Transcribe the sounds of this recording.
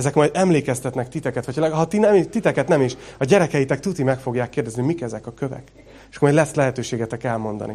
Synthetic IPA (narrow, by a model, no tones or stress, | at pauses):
ɛzɛkmɒjd̪ɛmleːkɛst̪ɛt̪nɛkt̪it̪ɛkɛt̪ʋɒcʰːlɛɡɦɒt̪inɛmiʃt̪it̪ɛkɛt̪nɛmiʃɒɟɛɾɛkɛjit̪ɛkt̪ut̪imɛkfo̞ɡjaːkːeːrdɛznimikɛzɛkɒkøvɛ̰k | eʃɒ̥komɒjd̪lɛslɛɦɛt̪øːʃeːɡɛt̪ɛkɛlmo̞nd̪ɒ̰nḭ